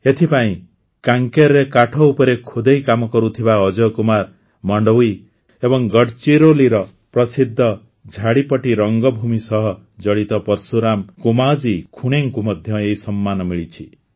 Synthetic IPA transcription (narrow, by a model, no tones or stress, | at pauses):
et̪ʰipaĩ | kaŋkeɾɾekaʈʰɔupɔɾekʰod̪ʱejkamɔkɔɾut̪ʰibaɔd͡ʒɔkumaɾ | mɔɳɖɔwi | ebɔŋɡɔɽt͡ʃiɾoliɾɔ | pɾɔsid̪ʱːɔ | d͡ʒʱaɽipɔʈiɾɔŋɡɔbʱumisɔɦɔ | d͡ʒɔɽit̪ɔpɔɾsuɾamkumad͡ʒikʰuɽ̃eŋkumɔd̪ʱjɔeisɔmːanɔmiɭit͡ʃʰi